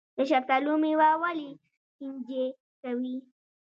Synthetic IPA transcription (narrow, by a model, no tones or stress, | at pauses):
d̪əʃak̚t̪alumiwawali | kind͡ʒe | kawi